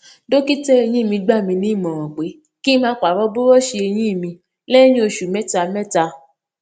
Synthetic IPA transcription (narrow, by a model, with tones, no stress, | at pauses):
do˦ki˦tɛ˦e˧j̃ĩ˦˨mĩ˧ɡ͡ba˦˨mĩ˧nĩ˨˦˨mɔ̃˨ɾ̃ɔ̃˨k͡pe˨˦ | ki˦mãː˧˦˧k͡pa˨ɾɔ˦bo˦ɾɔ˦ʃi˧e˧j̃ĩ˦i˦˨mĩ˧ | lɛ˦j̃ĩ˦o˧ʃu˨mɛ̃˦ta˧˨mɛ̃˦ta˧